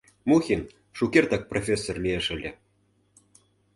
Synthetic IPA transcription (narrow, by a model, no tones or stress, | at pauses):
muxʲin | ʃukʲert̪ɑk̚profʲesːorlʲieʃə̆lʲe